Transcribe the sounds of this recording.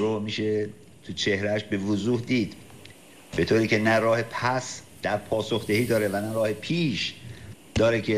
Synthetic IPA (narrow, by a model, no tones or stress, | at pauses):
ɾomiːʃe̞ | t̪ʰut͡ʃʰe̞hɾæʃbevozuːhd̪iːd̪ | be̞t̪ʰoːɾiːcʰe̞næɾɒːhe̞pʰæs | d̪̥æɾpʰɒːsoxd̪ehiːd̪ɒːɾe̞vænæɾɒːhe̞pʰiːʃ | d̪̥ɒːɾecʰe